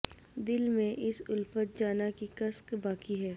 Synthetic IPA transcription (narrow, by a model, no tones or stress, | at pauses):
d̪ɪlmẽʔɪsʊlfət̪̚d͡ʒaːnakikɐskbaːkiɦɛː